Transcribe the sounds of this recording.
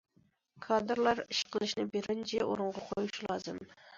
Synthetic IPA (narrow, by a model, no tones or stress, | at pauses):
kʰɑd̪ɨɾlˠɑɾiʃqʰəlˠɨʃnɨbeɾɪnd͡ʒʰɛʔoɾʊɴʁɑqʰojuʃulˠɑːzɨ̰m